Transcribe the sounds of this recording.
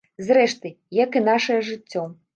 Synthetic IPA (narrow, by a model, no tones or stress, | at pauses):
zɾɛʂt̪ɨ | jakɨnaʂɐjɐʐɨt͡sʲːɔ